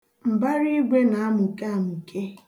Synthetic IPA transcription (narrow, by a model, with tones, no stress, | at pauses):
m̩˨ba˦ɾi˦ɡʷe˦na˨a˦mʊ˨ka˨mʊ˨kʰe˦